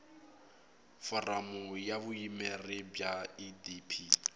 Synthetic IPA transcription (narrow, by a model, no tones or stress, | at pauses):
fɔramʊjaβʊimɛrɪbjaidipʰi